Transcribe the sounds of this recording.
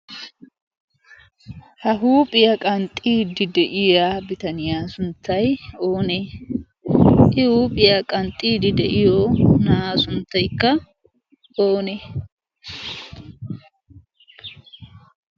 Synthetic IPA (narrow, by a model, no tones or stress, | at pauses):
hɐɦuːpʼɪjɐkʼɐnt̪ʼːiːd̪ɪd̪ɛʔɪjaːbɪt̪ɐnɪjaːsʊnt̪ʰːɐjoːne | ʔɪhuːpʼɪjakʼɐnt̪ʼːiːd̪ɪd̪ɛʔɪjoːnaːsʊnt̪ːɐjkːɐ | oːneː